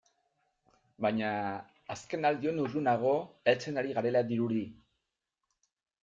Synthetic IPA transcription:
baɲaː | ske̞nald̪io̞nurunaɣ̞o̞elt͡se̞naɾiɣaɾe̞laðiɾuɾi

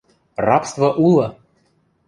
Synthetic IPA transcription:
rɑpst̪vəʔulˠə

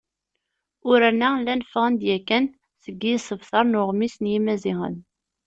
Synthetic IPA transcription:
ʊɾænːælːænəfʁənd̪jækːæn | səɡːisəvθɑɾˤnʊʁmisnjimæziʁə̰n

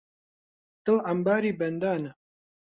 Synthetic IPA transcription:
t̪ɨlambaːɾibænd̪aːnə

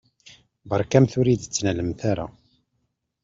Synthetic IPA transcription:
bɑɾˤkæmθʊɾid̪ət͡sːnæləmθaɾa̰

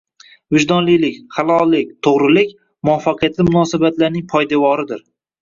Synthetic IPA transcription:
vɪd͡ʒd̪ɒnlijlɪkʲχalˠɒlˠːɪkʲt̪ʰoʁɾɪlɪkʲ | mʊafːaqʰɨjat̪lɪmʊnɒsabat̪laɾnɪŋpʰɒjd̪avɒɾɪd̪ɪɾ

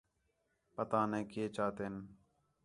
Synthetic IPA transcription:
pət̪aːnɛ̃ːkeːt͡ʃaːt̪eːn

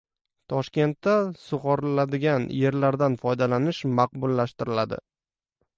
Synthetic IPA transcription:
t̪ʰɒʃkʲe̞nt̪ːasʊʁɒɾlad̪ɪɡʲanje̞ɾlaɾd̪anfɒjd̪alanɪʃmaq̚bʊlːaʃt̪ɪɾɪlad̪ɪ̰

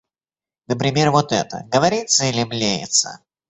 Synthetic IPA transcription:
nəp̬ɾʲɪmʲe̞rvot̪ɛ̰t̪ə̰ɡəvɐɾʲit̪səɪlʲɪmlʲejɪ̰t̪sə̰

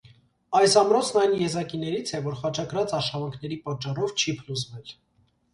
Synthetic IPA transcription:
ɑjsɑmɾɔt͡sʰnɑjnjɛzɑkinɛɾit͡sʰɛvɔɾχɑt͡ʃʰɑkɾɑt͡sɑʃɑvɑŋkʰn̪ɛɾipɑt͡ʃːɑrɔvt͡ʃʰipʰluzvɛl

